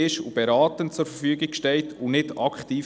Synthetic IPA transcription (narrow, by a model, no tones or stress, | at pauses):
ɪʃṵb̥ɛɾɑːtənt͡sʊɾfərfyəɡiɡ̥ʃtɛltʰunɪdɑkχtiː